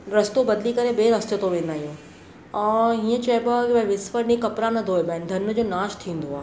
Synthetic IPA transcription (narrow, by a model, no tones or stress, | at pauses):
ɾɐst̪obɐd̪likɐɾebeːɾɐst̪ət̪oʋẽːnd̪aːɦĩjõː | ɛ̃ːɦiːə̃t͡ɕɐepakibɐ̃ʋɪsfəɾnĩkɐpɾanɐd̪ʱoɦebaːɦɪnd̪ʱɐnd͡ʑoːnaːʃt̪ʰĩːn̆d̪oaːɦ